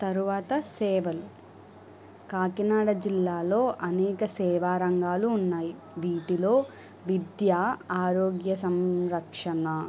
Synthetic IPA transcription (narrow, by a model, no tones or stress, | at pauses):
t̪ɐɾuʋaːt̪ɐsɛːʋɐlu | kaːkinaːɽɐd͡ʒilːaːlo̞ːʔɐnɛːkɐsɛːʋaːɾɐŋɡaːluːnːaːji | ʋiːʈilo̞ː | ʋid̪jaːaːɾoːɡjɐs̬ɐmɾɐkʂɐnɐ